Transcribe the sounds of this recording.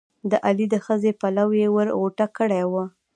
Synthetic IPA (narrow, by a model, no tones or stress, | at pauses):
d̪əʔalid̪əxəzepalawjewəɾɣoʈakəɽawə